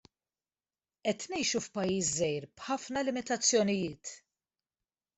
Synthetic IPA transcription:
ʔɛt̪nɛjʃufpɐjːiːszɛjɾb̥ħɐfnɐlɪmɪt̪ɐt͡sːjɔnɪjɪːt̪

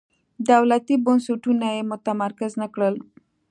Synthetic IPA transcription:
d̪awlat̪ibonsuʈʰunajemot̪aməɾkəznəkɽəl

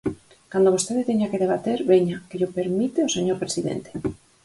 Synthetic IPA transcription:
kand̪oβust̪e̞ðet̪eɲakeðeβ̞at̪eɾβeɲakeʎopeɾmit̪eoseɲoɾpɾesiðḛnt̪e̥

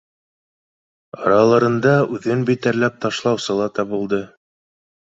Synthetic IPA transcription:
ɑ̰ɾɑlˠɤ̆ɾɤ̆nd̪ɑʉðɘnbit̪æɾlæp̚t̪ɑʃlˠɑwsɤ̆lˠɑt̪ɑbulˠd̪ɤ

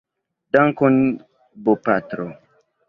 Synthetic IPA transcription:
daŋkon | bopatɾo

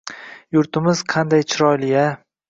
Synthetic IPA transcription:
jʊɾt̪ʰɪmɪz̥qʰɑnd̪ajt͡ʃʰɪɾɒjlɪja

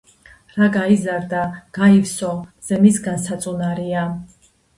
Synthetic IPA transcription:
ɾaɡaizaɾd̪aɡ̥aifsɔz̥ɛmisɡansat̪sʼunaɾia

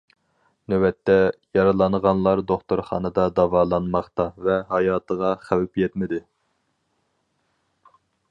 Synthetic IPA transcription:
nøwɛt̪ʰːɛjɑɾɨlˠɑnʁɑnlˠɑɾd̪oχt̪uɾχɑ̰ːnɨd̪ɑd̪ɑvɑːlˠɑnmɑχt̪ɑvɛɦɑjɑːt̪ʰəʁɑχæwɪpjɛt̪mɪd̪ɪ

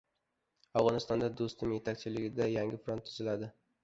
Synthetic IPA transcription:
avʁɒnɪst̪ɒnd̪ad̪ost̪ɪmje̞t̪ʰakʲt͡ʃʰɪlɪɡʲɪd̪ajaŋɡʲɪfɾont̪ʰːʊzɪlad̪ɪ

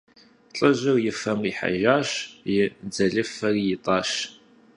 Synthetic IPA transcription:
t͡ɬʼəʑɪrjɪfɐmriːħa̰ʒaːɕjɪd͡zɐɮɨfɐrijɪtʼɑːɕ

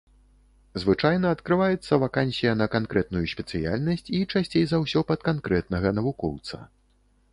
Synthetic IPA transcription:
zvɨt͡ʂajnɐɐt̪kɾɨvajɛt̪sːɐvakanʲsʲijɐnɐkankɾɛt̪̚nujusʲpʲɛt̪sɨja̰lʲnɐsʲt͡sʲit͡ʂasʲt͡sʲejzawsʲɔpɐt̪̚kankɾɛt̪̚nɐɣɐnɐvukɔwt̪sɐ̰

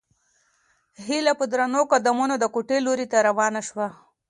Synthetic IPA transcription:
ɦilapəd̪ɾanokad̪amunod̪əkuʈeloɾit̪aɾawɑnaʃwa

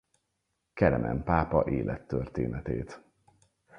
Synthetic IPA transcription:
kɛlɛmʔɛmpaːpɒʔeːlʔɛt̪ːørt̪eːnɛt̪eːt̪

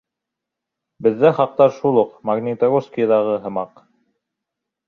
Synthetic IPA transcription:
bɘ̆ðːæχɑq̚t̪ɑɾʃulˠoqmaɡnʲit̪ɐɣoskʲijəd̪ɑʁɤɦɤ̆mɑq

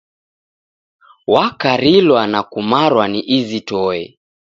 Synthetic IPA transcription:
wakaɾilwanakumaɾwaniʔizitɔɛ̰

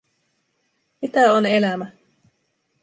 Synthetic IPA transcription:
mit̪æonelæmæ

